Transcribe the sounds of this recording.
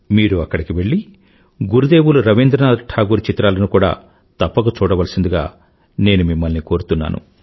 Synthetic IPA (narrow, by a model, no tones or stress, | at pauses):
miːɾuɐkːɐɽikiʋe̞ɭːi | ɡuɾud̪eːwuluɾɐʋind̪ɾɐnaːd̪ʈʰaːɡuːɾt͡ʃit̪ɾaːlɐnukuːɽa̰ː | t̪ɐpːɐɡɐt͡ʃuːɽɐʋɐlɐsind̪uɡa̰ː | ne̞ːnumimːɐlniko̞ːɾut̪unːa̰ːnṵ